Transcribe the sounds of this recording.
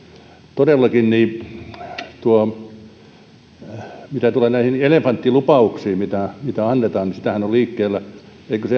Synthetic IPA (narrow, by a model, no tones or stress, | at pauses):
t̪odelːɑkinniː | t̪uo | mit̪æt̪uleːnæihinelefɑnt̪ːilupɑuksiːmit̪æmit̪æɑnːet̪ɑːnnisit̪æhænolliːkːeːlːæ | eikøse